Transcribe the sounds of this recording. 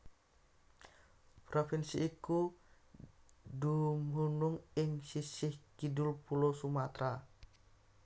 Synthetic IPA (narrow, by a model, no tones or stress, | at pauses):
pɾofinsiːku | dumunuŋɪŋsisɪhkidulpulosumat̪ɾa